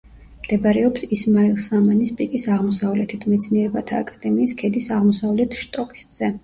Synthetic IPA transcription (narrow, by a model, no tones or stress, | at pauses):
md̪̥ɛbaɾɛɔpsismailˠsamanispʼikʼisaʁmɔsavlɛt̪ʰit̪ʰmɛt̪sʰniɛɾɛbat̪ʰaːkʼad̪̥ɛmiːskʰɛd̪isaʁmɔsavlɛt̪ʰʃt̪ʼɔkʼɛt̪z̥ɛ